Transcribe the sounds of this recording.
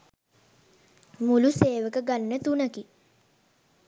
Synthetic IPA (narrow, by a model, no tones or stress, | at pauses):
muluseːʋəkəɡanːət̪unəki